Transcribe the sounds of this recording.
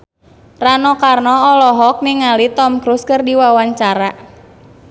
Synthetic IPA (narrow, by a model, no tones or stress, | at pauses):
ranɔkarnɔɔlɔɦɔk̚niŋalit̪ɔmkɾuskɨrdiwawaɲt͡ʃaɾa